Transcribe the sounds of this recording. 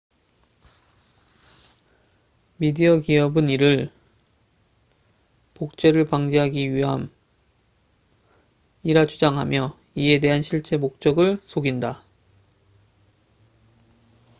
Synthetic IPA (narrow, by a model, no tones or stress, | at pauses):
midiʌɡiʌbɯniɾɯɭ | pok̚t͡ɕ͈e̞ɾɯɭpaŋd͡ʑeɦaɡiɥiɦam | iɾat͡ɕʰud͡ʑaŋɦa̰mjʌ | ie̞de̞ɦanɕʰiɭt͡ɕ͈e̞mok̚t͡ɕ͈ʌɡɯɭsʰoɡinda